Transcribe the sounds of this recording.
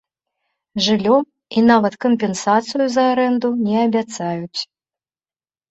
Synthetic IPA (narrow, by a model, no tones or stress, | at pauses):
ʐɨlʲɔ | inavɐt̪kɔmpʲɛnsat̪sɨjuzɐːɾɛnd̪unʲɛɐbʲat̪sajut͡sʲ